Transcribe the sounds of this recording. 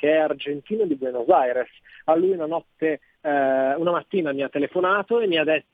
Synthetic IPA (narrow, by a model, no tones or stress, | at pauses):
keɛard͡ʒent̪iːnod̪ibwɛnozajɾes | alːujunanɔt̪ːe | unamat̪ːiːnamiat̪ːelefonaːt̪oemːiad̪ɛt̪ː